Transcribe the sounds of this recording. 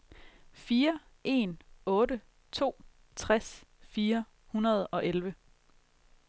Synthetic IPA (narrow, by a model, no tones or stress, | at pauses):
fiːɐ | ʔe̝nɔ̽ːɾə | t͡sʰo̝̰ː | t͡sʰʁasfiːɐ | hunɐð̞̩ˠɒ̽ʔelʋə